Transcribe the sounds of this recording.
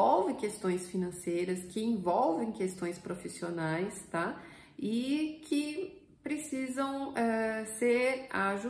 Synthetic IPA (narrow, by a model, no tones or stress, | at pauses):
ɔwvẽkest̪õj̃sfinɐ̃sejɾɐskɪẽvɔwvẽj̃kest̪õj̃spɾofisionajst̪a | ɪkʰɪ | pɾesizɐ̃w̃ɛseɾaʒu